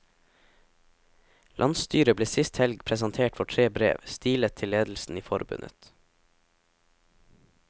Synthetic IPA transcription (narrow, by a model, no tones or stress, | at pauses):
lʔɑnst̪yːɾəbleːsɪst̪hɛlɡpʰɾɛsɑnt̪ʰeːʈfɔʈʰɾeːbɾḛːʋst̪iːlət̪ʰɪleːd̪l̩sn̩iːfɔɾbʉ̰nʔə̰t̪